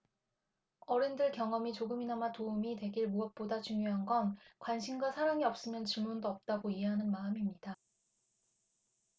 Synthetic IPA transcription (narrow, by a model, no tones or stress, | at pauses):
ʌɾendɯɭkjʌŋʌmit͡ɕoɡɯminamatoumitwe̞ɡiɭmuʌk̚p͈odat͡ɕuŋjoɦanɡʌnkwanɕʰimɡwasʰaɾaŋiʌp̚s͈ɯmjʌnt͡ɕɯɭmundoʌp̚t͈aɡoieɦanɯnmaɯmimɲida